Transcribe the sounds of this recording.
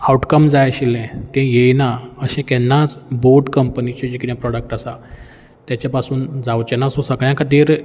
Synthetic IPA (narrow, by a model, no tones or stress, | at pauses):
awʈkəmd͡zajɕilɛ̃t̪ɛ̃jejnaəɕɛ̃kɛnːat͡sboɾɖkəmpənit͡ɕed͡ʑikiɽjãpɾɔɽək̚ʈasa | t̪jat͡ɕapasuːnd͡zawt͡ɕenasosəɡɭjãkʰət̪iːɾ